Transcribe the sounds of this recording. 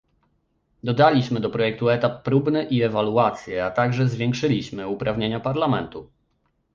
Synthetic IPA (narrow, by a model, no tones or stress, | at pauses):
d̪ɔd̪alʲiɕmɘd̪ɔpɾɔjɛk̚t̪uɛt̪apːɾubnɘʔiɛvaluat̪sʲjɛat̪aɡʐɛzvʲjɛ̃ŋkʂɘlʲiɕmɘupɾavɲeɲapaɾlamɛnt̪u